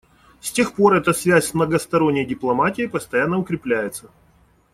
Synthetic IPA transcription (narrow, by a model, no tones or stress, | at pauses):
sʲtʲe̞xpo̞ɾɛt̪əsvʲæsʲsmnəɡəst̪ɐɾonʲːəjdʲɪplˠɐmatʲɪjɪpəst̪ɐjanːəʊkɾʲɪplʲæjɪt̪sə